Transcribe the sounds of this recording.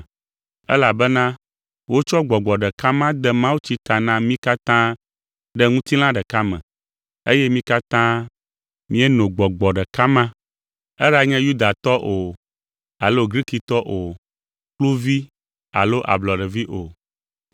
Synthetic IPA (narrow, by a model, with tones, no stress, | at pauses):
ɛ˦la˨bɛ˦nã˦ | wo˦t͡ʃɔ˦ɡ͡bɔ˨ɡ͡bɔ˨ɖɛ˨ka˦mã˦d̪ɛ˦mã˦wu˦t͡ɕi˦t̪a˨nã˦mĩ˦ka˦t̪ã˦ | ɖɛ˦ŋũ˦t̪i˦l̃ã˦ɖɛ˨ka˦mɛ̰̃˨ | e˦jɛ˦mĩ˦ka˦t̪ã˦ | mĩ˦ɛ˦nõ˨ɡ͡bɔ˨ɡ͡bɔ˨ɖɛ˨ka˦mã˦ | ɛ˦ɖa˦ɲɛ̃˦ju˦d̪a˨t̪ɔ˦ʔo˨ | a˨lo˦ɡɾi˦ki˨t̪ɔ˦ʔo˨ | klu˦vi˦ | a̰˨lo˦ʔa̰˨blɔ˨ɖɛ˨vi˦ʔo˨